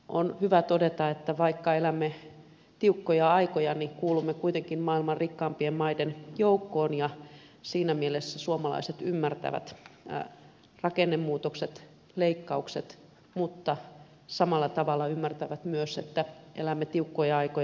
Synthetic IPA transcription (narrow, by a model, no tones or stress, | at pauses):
ʔo̰nhyʋæt̪odet̪ɑet̪ːæʋɑikːɑelæmːe | t̪iukːojɑɑikojɑnikuːlumːekuit̪eŋkinmɑilmɑrrikːɑːmpiemmɑidenjoukːoːnjɑ | siːnæmielesːæsuomɑlɑ̰iset̪ymːært̪æ̰ʋæ̰t̪ | rɑkenːemːuːt̪okset̪ | leikːɑukset̪ | mut̪ːɑ | sɑmɑlːɑt̪ɑʋɑlːɑymːært̪æʋæt̪myøsḛt̪ːæʔḛlæmːet̪iukːojɑɑikoj